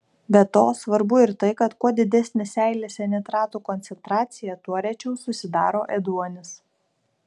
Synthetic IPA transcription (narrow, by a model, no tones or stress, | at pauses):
bʲɛt̪oːsʋɐɾbʊɪɾt̪ɐɪkɐt̪kuɔd̪ʲɪd̪ʲɛsʲnʲɪsʲæɪlʲesʲɛnʲɪt̪ɾɑːt̪uːkɔnʲt̪sʲɛnt̪ɾɑːt̪sʲɪjɛt̪uɔɾʲɛt͡ʃʲɛʊsʊsʲɪd̪ɑːɾoːʔɛd̪uɔnʲɪs